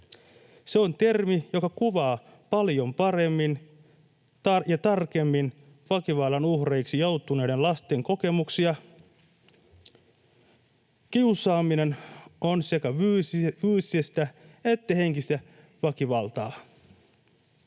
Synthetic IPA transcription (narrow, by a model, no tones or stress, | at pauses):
seo̞nt̪e̞rmijo̞kɑkuʋɑː | pɑljo̞mpɑɾe̞mːin | t̪ɑjɑt̪ɑrke̞mːin | ʋɑkiʋɑlːɑnuhre̞iksijowt̪ːˑune̞ːde̞nlɑst̪e̞ŋko̞ke̞muksiɑ | kiusɑːmine̞no̞nse̞kæyʋyːssest̪æe̞t̪ːæhe̞ŋkist̪æ | ʋɑkiʋɑlt̪ɑː